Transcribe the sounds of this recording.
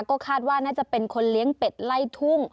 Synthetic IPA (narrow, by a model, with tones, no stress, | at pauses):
kɔː˥˩kʰaː˥˩t̪̚waː˥˩naː˥˩t͡ɕa˨˩ʔpe˧nkʰo˧nli˦əŋpe˨˩t̪̚la˥˩jt̪ʰu˥˩ŋ